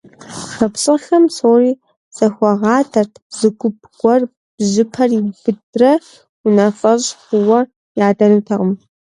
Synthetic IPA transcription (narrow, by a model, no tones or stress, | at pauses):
xɐpɕʼɨxɐmsoːriː | sɐxʷɔʁɑːtʰɐrtʰzɨɡʷʊpʰɡ̥ʷʼɔr | b̥ʑɪpʰɐribɨdrɐ | ʊnafɐʑxʷʊwɐ | jaːdɐnuːtʰɐʁəm